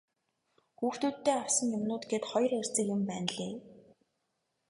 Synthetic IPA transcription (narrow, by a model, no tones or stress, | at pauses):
xuːxt̪uːt̪ːeːaw̥sə̆ŋjʊmnʊːt̪ɡet̪χɔjrʊr̥ʲt͡sɘ̆kjʊ̆mpæːnɮeː